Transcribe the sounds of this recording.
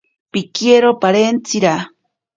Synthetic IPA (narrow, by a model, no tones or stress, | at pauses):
pikieɾopaɾent͡siɾa